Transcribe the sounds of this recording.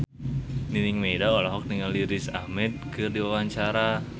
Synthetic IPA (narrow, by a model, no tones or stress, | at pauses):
niniŋmedaolɔɦɔk̚dəŋanliɾɪsa̰hmɛt̪̚kʰɨrdiwawaɲt͡ʃaɾa